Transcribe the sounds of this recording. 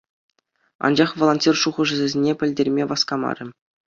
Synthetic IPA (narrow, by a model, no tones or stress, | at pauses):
ɑ̰nd͡ʑɑχʋolˠonʲtʲirʂuʁɤ̆ʐɘ̆zʲɘ̆zʲenʲepʲɘ̆lʲdʲerʲmʲeʋɑskɑmɑ̰ɾʲɘ̆